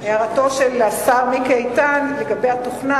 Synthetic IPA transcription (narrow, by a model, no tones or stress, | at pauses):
eaʁato̞ʃelasaʁmikejt̪anleɡabejhat̪oχna